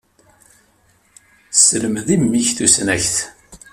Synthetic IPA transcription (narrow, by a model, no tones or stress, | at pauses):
sələmðimːiçθusnæçθ